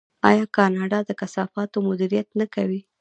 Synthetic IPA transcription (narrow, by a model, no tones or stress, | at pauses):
ɑ̰jɑkɑnɑɖɑd̪əkasɑfɑt̪omʊd̪iɾijat̪nakawi